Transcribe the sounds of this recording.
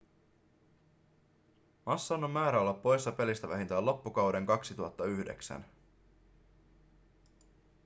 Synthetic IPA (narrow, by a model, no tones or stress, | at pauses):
mɑsːɑːnomːæːɾæo̞lːɑpːo̞jsːɑpe̞list̪æʋæɦint̪æːlo̞pːukɑwde̞ŋkɑksit̪uɑt̪ːɑyhde̞̰ksæ̰n